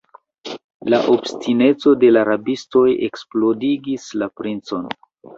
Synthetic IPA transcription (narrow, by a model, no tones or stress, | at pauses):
laʔo̞bstine̞t͡so̞de̞laɾabisto̞jḛksplo̞diɡislapɾint͡so̞n